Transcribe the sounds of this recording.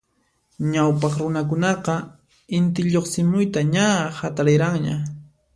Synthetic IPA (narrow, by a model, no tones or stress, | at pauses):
ɲawpɑχɾʊnak̬ʊnɑqɑ | ɪnt̪̬ɪʎoχsɪmʊjt̪aɲahat̪aɾɪɾaŋɲa̰